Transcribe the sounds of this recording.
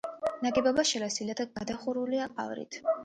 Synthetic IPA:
naɡʼɛbabaʃɛlasilat̪ʰaɡad̪aχuɾuliaqʼa̰vɾḭt̪ʰ

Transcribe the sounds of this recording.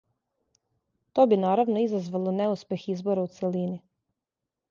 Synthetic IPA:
t̪o̞binaːɾaʋnoizazʋalˠoneuspʲjexizbo̞ɾaut̪selini

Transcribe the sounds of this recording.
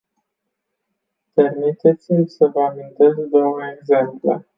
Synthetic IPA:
pe̞rmit̪e̞t̪simsəvəamint̪e̞sd̪o̞wəeɡze̞mplḛ

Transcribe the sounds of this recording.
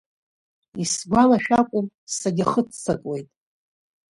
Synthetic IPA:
isɡʷalaʃᶣakʷʼʊm | saɡʲɪχət͡st͡sʰakʼwe̞jtʼ

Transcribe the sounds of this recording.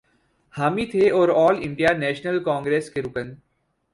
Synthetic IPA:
haːmit̪ʰeɔːɾɔːlɪ̃ɳɖijanɛːʃnəlkɔ̃ːŋɡɾeːskeɾʊkə̃n

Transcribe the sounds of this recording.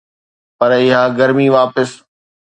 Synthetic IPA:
pɐɾɪɦaːɡɐɾmiʋaːpɪs

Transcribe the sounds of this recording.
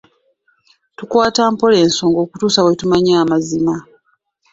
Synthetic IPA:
tukwaːtaːmpo̞le̞ːnso̞ːŋɡo̞ːkutuːsawetumaɲaːmazima

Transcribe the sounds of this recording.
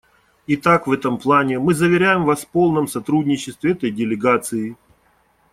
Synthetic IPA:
ɪt̪akvɛt̪əmplˠanʲɪmɨzəvʲɪɾʲæjɪmvasfpo̞lˠnəmsɐt̪ɾudʲnʲɪt͡ɕːɪst̪vʲɪɛt̪əjdʲɪlʲɪɡat̪sɨɪ

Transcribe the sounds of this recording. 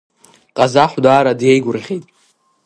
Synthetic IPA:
qʼazaħʷdaːɾadjejɡʷʊrʁʲejtʼ

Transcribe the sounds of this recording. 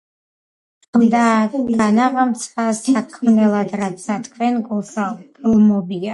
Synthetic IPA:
d̪aɡanavamt̪sʰasakʰmnɛlˠad̪ɾat̪sat̪kʰvɛnɡulsaɡlˠmɔbia

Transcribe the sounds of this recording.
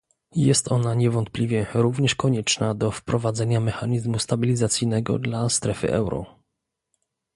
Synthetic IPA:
jɛst̪ɔnaɲɛvɔnt̪̚plʲivʲjɛɾuvɲɛʂkɔɲɛt͡ʂnad̪ɔfpɾɔvad̪zɛɲamɛxaɲizmust̪abʲilʲizat̪sʲijnɛɡɔ̰d̪last̪ɾɛfɘ̰ʔɛ̰wɾɔ̰

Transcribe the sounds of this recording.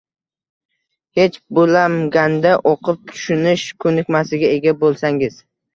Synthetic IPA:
het͡ʃbolamɡʲand̪aʔoqʰɨp̚t̪ʰʊ̥ʃʊnɪʃkʰɵnɪkʲmasɪɡʲae̞ɡʲabolˠsaŋɪz̥

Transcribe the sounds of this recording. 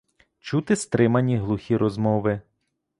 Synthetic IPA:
t͡ʃut̪ɪst̪ɾɪmɐnʲiɦlˠuxʲiɾʔɔzmɔʋɪ

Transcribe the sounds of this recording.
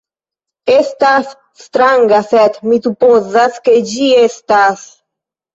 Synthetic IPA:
est̪as | st̪ɾaŋɡasɛt̪mit̪upozasked͡ʒiest̪as

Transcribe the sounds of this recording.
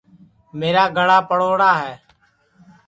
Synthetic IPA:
meːɾaːɡʱəɽaːpəɽoːɽaːɦɛː

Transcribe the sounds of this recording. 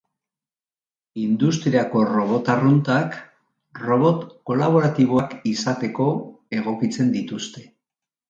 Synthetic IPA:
ind̪ust̪ɾiako̞ro̞βo̞t̪arunt̪ak | ro̞βo̞t̪ko̞laβ̞o̞ɾat̪iβ̞oakisat̪e̞ko̞ | e̞ɣ̞o̞kit͡se̞nd̪it̪ust̪e̞

